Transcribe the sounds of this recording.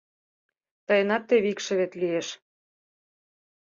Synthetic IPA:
t̪ɑjənɑt̪ːeβikʃĕβet̪lieʃ

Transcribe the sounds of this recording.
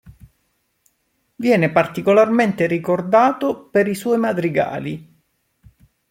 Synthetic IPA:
vjɛːnepart̪ikolarment̪eɾikord̪aːt̪opeɾiswɔːjmad̪ɾiɡa̰ːli

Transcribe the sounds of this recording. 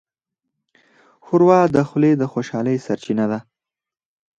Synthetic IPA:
xʊɾwɑd̪əxʊled̪əxoʃɑləjsaɾt͡ʃinad̪a

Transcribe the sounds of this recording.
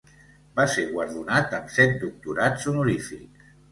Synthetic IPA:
baseɣwəɾðunat̪əmsɛt̪̚d̪uk̚t̪uɾat͡sunuɾifḭk

